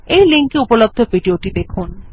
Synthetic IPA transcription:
ejliŋkiupolob̚d̪ʱoviɖioʈid̪ekʰun

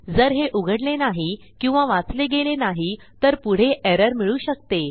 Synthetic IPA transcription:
d͡zəɾɦeʔuɡʱəɽlenaɦi | kĩw̃ʋaʋãt͡sleɡelenaɦi | t̪əɾpuɽ̤eʔeɾəɾmiɭuːɕəkt̪e

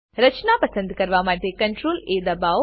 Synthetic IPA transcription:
ɾɐt͡ʃnapɐsə̃nd̪ʱkɐɾʋamaːd̪ʱjekɐ̃ɳʈɾoːleːd̪ɐbaːʋ

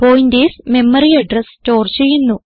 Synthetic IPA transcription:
poːjnd̪eːsme̞mːɐɾiɐɖrɐsto̞ːrt͡ɕe̞jːunːu

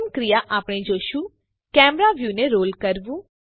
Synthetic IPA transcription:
mkɾijaʔaːpɽ̃ed͡ʒoːʃu | kɛːmɾaʋjuːneɾoːlkəɾʋũː

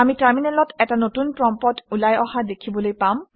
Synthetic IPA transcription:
amitaɹminɛlɔtɛtanotunpɹɔmpɔtulajɔɦadekʰibɔlojpam

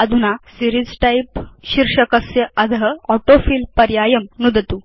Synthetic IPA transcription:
ɐd̪ʱunasiɾid͡zʈaipɕiɾʂəkəsjəɐd̪ʱɦəɔʈofiːlpɐɾjajəmnud̪ʱət̪u

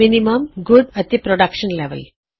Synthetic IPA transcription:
iniməmɡuɖət̪ipɾɔɖakʃənleʋə̰l

